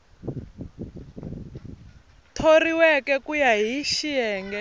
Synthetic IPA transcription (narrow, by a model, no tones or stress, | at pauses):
tʰoriwɛkɛkujaɦiʃiɛːŋɡɛ